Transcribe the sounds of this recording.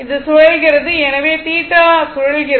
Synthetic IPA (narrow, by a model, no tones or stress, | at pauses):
ɪðɯsʊɻɐlɣɪrɐðɯɛnɐʋeːt̪iːʈːaːsʊɻɐɭɣɪr